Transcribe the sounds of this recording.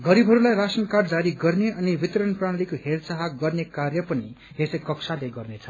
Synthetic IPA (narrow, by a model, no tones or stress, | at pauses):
ɡʌɾibʱɦʌɾulajɾasʌnkaɖd͡zaɾiɡʌrneʌnibit̪ɾʌnpraɽ̃ʌlikoɦersaɦaɡʌrnekarjʌpʌni | ɦesʌkʌksaleɡʌrnet͡sʰʌ